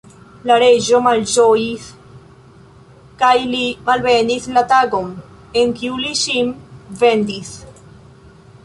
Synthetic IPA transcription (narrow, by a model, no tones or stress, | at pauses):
laɾed͡ʒo̞mald͡ʒojis | kajlimalvenislat̪aɡo̞m | eŋkiuliʃimve̞nd̪is